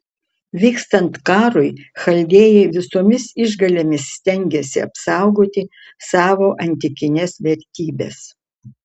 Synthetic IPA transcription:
ʋʲiːkst̪ɐnt̪kɑːɾʊɪxɐlʲd̪ʲeːjɛɪʋʲɪsoːmʲɪsɪʒɡɐlʲemʲɪsːʲt̪ʲɛŋʲɡʲɛsʲɪɐ̰psɑˑʊɡoːt̪ʲɪ | sɑːʋoːʔɐnʲt̪ʲɪkʲɪnʲɛsʋʲɛɾʲt̪ʲiːbʲḛs

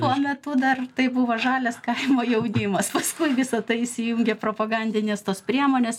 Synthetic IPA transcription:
t̪uɔmʲɛt̪ʊd̪ɐrt̪ɐɪbʊʋoʒɑːlʲɛskɐɪmoːjɛʊnʲimɐspɐskʊɪʋʲɪsɐt̪ɐɪɪsʲɪjuːŋʲɡʲepɾoːpɐɡɐnʲd̪ʲɪnʲeːst̪oːspʲɾʲiɛmoːnʲeːs

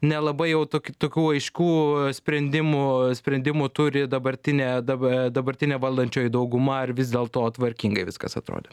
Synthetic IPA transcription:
nʲɛlˠɐbɐɪjɛʊt̪okʲt̪oːkʲuːɐɪʃʲkʲuːsʲpʲɾʲɛnʲd̪ʲɪmʊsʲpʲɾʲɛnʲd̪ʲɪmʊt̪ʊɾʲɪd̪ɐbɐɾʲt̪ʲɪnʲeːd̪ɐbd̪ɐbɐɾʲt̪ʲɪnʲeːʋɐlˠd̪ɐnʲt͡ʃʲoːjɪd̪ɐʊɡʊmɐɐrʋʲɪzʲd̪ʲeːlˠt̪oːɐt̪ʋɐɾʲkʲiːŋɡɐɪʋʲɪskɐ̰sɐt̪ɾo̰ːd̪ʲe

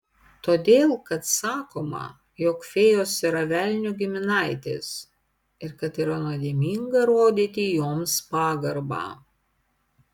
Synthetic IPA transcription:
t̪oːd̪ʲeːlˠkɐt̪sɑːkoːmɐ̰ | joːkfʲeːjoːsʲɪɾɐʋʲæˑlʲnʲuɡʲɪmʲɪnɐˑɪt̪ʲḛːs | ɪɾkɐt̪iːɾɐnoɔd̪ʲeːmʲiːŋɡɐɾoːd̪ʲit̪ʲiːjoːmspɑːɡɐɾbɑ̰ː

